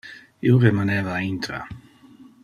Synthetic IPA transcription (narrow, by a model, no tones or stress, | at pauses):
ioɾemanɛvaint̪ɾa̰